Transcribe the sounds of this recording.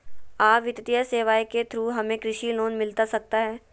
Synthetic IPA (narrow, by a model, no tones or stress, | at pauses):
aːʋɪt̪t̪ijəseːʋaːiket̪ʰɾuːɦɐmẽkɾɪʃiloːnmɪlt̪asɐk̚t̪aɦɛː